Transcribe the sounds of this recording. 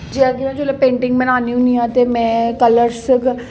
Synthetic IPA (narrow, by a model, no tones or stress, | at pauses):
d͡ʒiad̪ɪnãd͡ʒolapẽːɳʈɪ̃ŋɡbənaːniũnĩãːt̪emɛ̃ːkələɾsk